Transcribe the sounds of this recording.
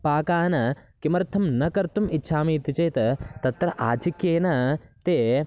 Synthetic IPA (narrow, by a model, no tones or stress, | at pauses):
paːkaːnɐkimɐɾt̪ʰɐmnɐkɐɾt̪umitːʃʰaːmiːt̪it͡ʃɐːjt̪ɐt̪ɐt̪ɾɐʔaːt͡ʃʰikjeːnɐt̪eː